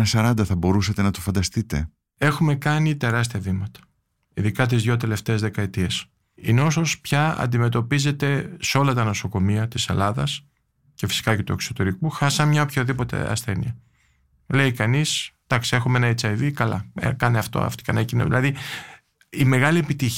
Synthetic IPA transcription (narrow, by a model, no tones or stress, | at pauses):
nɐsɐɾɐnd̪ɐθɐbo̞ɾusɐt̪e̞nɐt̪ofɐnd̪ɐst̪it̪e̞̰ | e̞xume̞kɐnit̪e̞ɾɐs̬t̪iɐvimɐt̪ɐ̥ | iðikɐt̪̬izðʝo̞t̪e̞le̞ft̪eːzðe̞kɐet̪ies | inosospçɐɐ̰nd̪ime̞t̪o̞pize̞t̪e̞seo̞lɐt̪ɐno̞so̞ko̞miɐt̪ise̞̰lɐðɐs | ce̞fi̥si̥kɐcet̪ue̞kso̞t̪e̞ɾikuxɐsɐnmɲɐopçoðipo̞t̪e̞̰ɐ̰sθe̞niɐ | le̞ikɐnisd̪̥ɐksie̞xumeenɐit͡sɐiðikɐlɐ̰kɐneɐft̪o̰ɐ̰ft̪i̥kɐnecino̰ðḭlɐði | ime̞ɣɐlie̞pit̪i